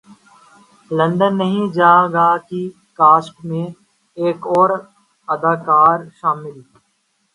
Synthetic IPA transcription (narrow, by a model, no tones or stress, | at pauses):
lə̃ɳɖənːəɦĩd͡ʒaːɡaːki | kaːsʈmẽ | eːkɔːɾ | əd̪aːkaːɾʃaːmɪl